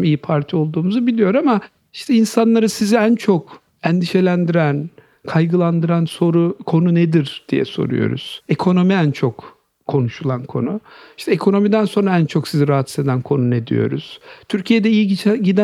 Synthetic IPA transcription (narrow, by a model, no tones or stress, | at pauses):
mijipʰaɾt̪ʰio̞lˠd̪uːmuzubilʲijo̞ɾama | iʃt̪ʰɛinsanlˠaɾɯsiziænt͡ʃʰok | ɛnd̪iʃe̞lʲænd̪iɾæn | kʰajɡɯlˠand̪ɯɾanso̞ɾukʰo̞nuned̪iɾd̪̥ijɛ̰so̞̰ɾṵjo̰ɾṵz̥ekʰo̞no̞miænt͡ʃʰok | kʰːo̞nuʃulˠankʰo̞̰nuiʃt̪ʰɛekʰo̞no̞mid̪ænso̞nɾaænt͡ʃʰoksiziɾaɦat̪ised̪ænkʰo̞nuned̪ḭjo̞̰ɾṵz̥t̪ʰyɾcʰijed̪ɛijiɟit͡ʃʰɟid̪æ